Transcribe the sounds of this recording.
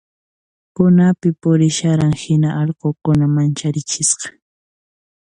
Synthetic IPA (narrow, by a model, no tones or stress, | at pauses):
pʊnapɪpʊɾɪʃaɾaŋhɪnaʔɑʎqokʊnamant͡ʃaɾɪt͡ʃɪʃɢɑ̥